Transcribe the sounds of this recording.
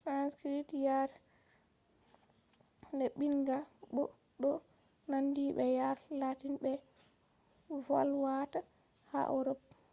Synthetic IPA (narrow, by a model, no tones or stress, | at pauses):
fɾanskɾitjaɾ | ndɛɓinɡaɓɔ | ɗɔ | nandiɓɛjaɾlatinɓɛ | vɔ̰lwata | ha̰ʔɔɾɔb̚